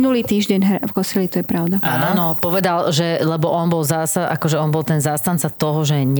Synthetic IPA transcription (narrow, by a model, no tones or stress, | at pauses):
nuliːt̪iːʒɟɛɲɦɾvkɔsilit̪ɔjɛpɾaʊd̪aaːnɔnɔpɔʋɛd̪alʒɛlɛbɔʔɔnbɔlzaːsaʔa̰kɔʒɛɔnbɔlˠt̪ɛnzaːst̪ant̪t͡sat̪ɔɦɔʒɛɲ